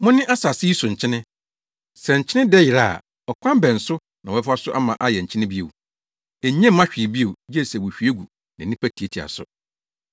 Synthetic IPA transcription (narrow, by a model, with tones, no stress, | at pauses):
mʊ̃˦nɪ̃˦ʔa˦sa˨sɪ˦i˦sʊ̃˨ɲ̩˨t͡ɕʰɪ˦nɪ̃˦ | sɛ˨ɲ̩˨t͡ɕʰɪ̃˦nɪ̃˦dɛ˦jɪ˨ɾa˨ | ɔ˨kʷʰã˦m˦bɛ̃˨n̩˨sʊ˦ | nã˨wɔ˨ɛ˦fa˦sʊ˦ʔa˦mã˨ʔa˦jɛ˨ɲ̩˨t͡ɕʰɪ̃˦nɪ̃˦bi˦ḛ˨w | ɛ˨˦ɲɛ̃˦m˦ã˦ɕᶣi˨e˨bi˦e˨wjɛ˦˨sɛ˨wo˨ɕᶣi˨˦e˦ɡu˨ | nã˨nĩ˦pʰæ˦tʰi˨e˦˨tʰi˨a̰˨sʊ̰˨